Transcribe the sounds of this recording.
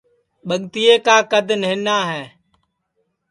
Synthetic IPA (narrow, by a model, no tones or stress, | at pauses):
ɓəɠt̪ɪjeːkaːkəd̪ʱnɦɪ̃naːɦɛː